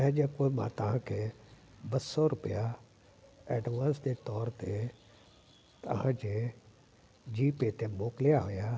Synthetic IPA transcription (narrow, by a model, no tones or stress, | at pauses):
ɛ̃ːd͡ʒekomã̰t̪ɐʋ̤ãkʰe | bɐsɔɾʊpija | eːɖʋãːnsd͡ʑet̪ɔːɾt̪e | t̪ɐ̰ɦãd͡ʑe | d͡ʑiːpeːt̪emoːkɪlijaɦʊja